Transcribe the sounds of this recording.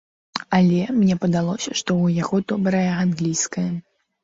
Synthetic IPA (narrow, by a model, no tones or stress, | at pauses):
alʲɛmnʲɛpɐd̪alˠɔsʲɐʂt̪ɔujaɣɔd̪ɔbɾɐjɐanɣlʲijskɐjɐ